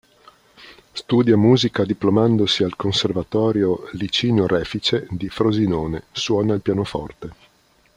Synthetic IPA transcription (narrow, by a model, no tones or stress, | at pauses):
st̪uːd̪jamuːzikad̪iplomand̪osialkonservat̪ɔːɾjolit͡ʃiːnorɛːfit͡ʃed̪ifɾozinoːneswɔːnailpjaːnofɔ̰rt̪e